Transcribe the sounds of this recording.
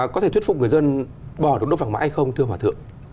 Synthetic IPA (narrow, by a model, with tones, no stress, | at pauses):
kɔ˨˦t̪e˧˩t̪ʰw̚fk͡p̚ŋɨ˨˩əjzə˧n | ɓɔ˧˩ɨ˨˩ək̚o˦˥vaː˨˩ma̰˧˥˦ha˧jxə˧wŋ͡mt̪ʰɨ˧əhwaː˨˩t̪ʰɨ̰˧˨əŋ